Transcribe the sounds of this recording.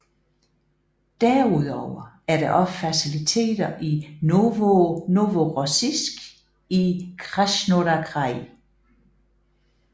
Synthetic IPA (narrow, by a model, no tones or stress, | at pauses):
d̥æɐuðˠɒʊ̰ɐ | æɐɾ̥eʔɒ̽ffæsilit͡sʰe̝̰ːd̥ɐʔin | noʋoʁosisɡ̥ | ikʰʁaɕnoɾækʰʁɑɪ